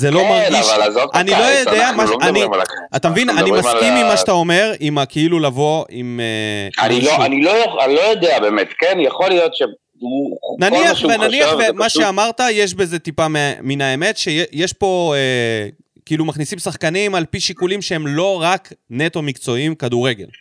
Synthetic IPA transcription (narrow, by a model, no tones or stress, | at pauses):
zelo̞maɡiʃalazotanilojodeamaomaniimala̰kt̪amevinanimasimːimaʃat̪ao̞me̞ʁimakeilulavo̞imea̰niloanilojoanlojod̪eabemet̪kenjaχolijot̪ʃe | unaniaχʃvenaniavemaʃeamaʁt̪ajeʃ̬be̞ze̞t̪ipameminaeme̞t̪ʃejejeʃpo̞e | keilumaχnisimsaχkanimalpiʃikulimʃeemlo̞ʁakne̞t̪o̞mikt͡so̞imkaduʁe̞ɡe̞̰l